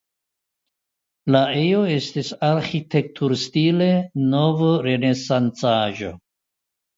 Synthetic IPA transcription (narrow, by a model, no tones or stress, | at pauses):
lae̞joe̞stisaɾxite̞k̚tʰuɾstile̞novɾe̞ne̞sant͡saʒo̞̰